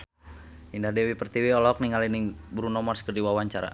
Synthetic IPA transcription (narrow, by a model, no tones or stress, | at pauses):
indadɛwipərt̪iwiɔlɔk̚niŋalinibuɾunɔmarskərdiwawaɲt͡ʃaɾa̰